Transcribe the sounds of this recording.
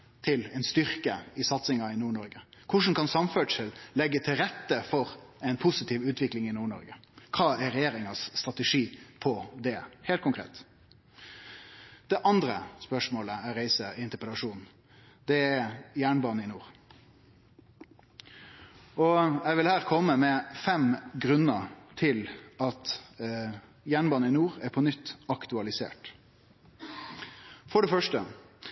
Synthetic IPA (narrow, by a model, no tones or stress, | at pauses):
t̪ʰɪlɛɪnst̪ʏʁkəɪsɑt̪sɪŋɑɪnuːɳɔɾɡəkʰʊʂn̩kɑnsɑmføːɖʂəllɛɡːət̪ʰɪlɾɛt̪ːəfɔɾɛɪnpʰʊsɪt̪ʰiːʋʉːt̪ʰʋɪklɪŋɪnuːɳɔ̰ɾɡəkʰɑːæɾɛjeːɾɪŋɑsːt̪ʁɑt̪ɛʂiːpʰɔd̪ɛhɛeːlt̪kʰʊŋkʰʁḛːt̪ | d̪̥ɛʔɑnd̪ɾəspœʂmoːləæɾæɪsəɪnt̪əpəlɑʂuːn̩ | d̪̥ɛæjæːɳbɑːnəɪnuːʁ | ʔɔɛɪʋɪlhæːʁkʰɔmːəmɛfɛmɡɾʉnːət̪ʰɪlɑt̪ | jæːɳbɑːnəɪnuːɾæɾpʰɔnʏt̪ːɑkt̪ʉɑlɪsḛːʈ | fɔɖɛfœʂʈə